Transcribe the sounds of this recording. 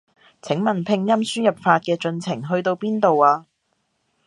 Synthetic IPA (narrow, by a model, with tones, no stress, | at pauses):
t͡sʰɪ˨˥ŋmɐ˨npʰɪ˧ŋjɐ˥msyː˥njɐ˨p̚faː˧t̚kɛː˧t͡ʃɵ˧nt͡sʰɪ˨˩ŋɦɵ˧ɥt̪o˧wpiː˥nt̪o˨waː˧